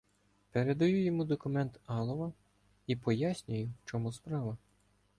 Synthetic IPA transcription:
peɾe̞d̪ɐjujɔmud̪ɔkʊmɛnt̪ɑlˠɔʋɐ | ipɔjasʲnʲʊjʊwt͡ʃɔmuspɾɑʋɐ

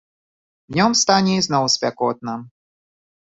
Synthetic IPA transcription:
vnʲɔmst̪anʲɛiznɔwsʲpʲakɔt̪̚nɐ

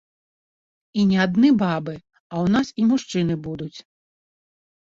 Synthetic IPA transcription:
inʲɛad̪nɛbabɨ | ɐwnasimuʂt͡ʂɨnɨbud̪ut͡sʲ

